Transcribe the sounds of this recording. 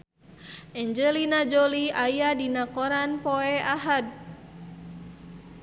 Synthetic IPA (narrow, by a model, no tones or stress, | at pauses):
ʔɛɲd͡ʒɛlinad͡ʒoliajadinakɔɾanpɔɛaɦad̪̚